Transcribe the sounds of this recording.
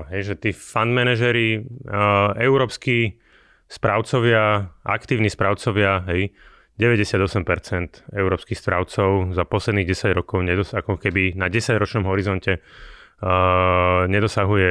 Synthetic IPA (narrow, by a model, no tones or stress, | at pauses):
ɦɛjʒɛt̪iːfand̪mɛnaʒɛɾi | ɛuɾɔːpski | spɾaʊt͡sɔʋɪaʔa̰kt̪iːʊnispɾaʊt͡sɔʋɪaɦɛj | ɟɛʋɛɟɛsɪad̪ɔsɛmpɛɾt͡sɛnt̪ɛuɾɔːpskixsp̪ɾaʊt͡sɔʊzapɔslɛd̪niɣɟɛsaɟɾɔkɔʊɲɛd̪ɔsakɔkɛbinaɟɛsaɟɾɔt͡ʃnɔmɦɔɾizɔncɛ | ɲɛd̪ɔsaɦujɛ